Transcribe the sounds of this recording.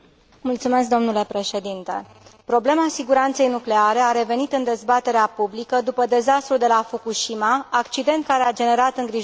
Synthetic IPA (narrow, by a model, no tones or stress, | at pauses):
mult̪sume̞sk̚d̪o̞mnule̞pɾe̞ʃe̞d̪int̪e̞̰ | pɾo̞ble̞masiɡuɾant̪se̞jnukle̞aɾe̞aɾe̞ve̞nit̪ɨnd̪e̞zbat̪e̞ɾeapublikəd̪upəd̪e̞zast̪ɾuld̪e̞lafukuʃimaːkt͡ʃid̪e̞nt̪̚kaɾead͡ʒe̞ne̞ɾat̪ɨŋɡɾiʒ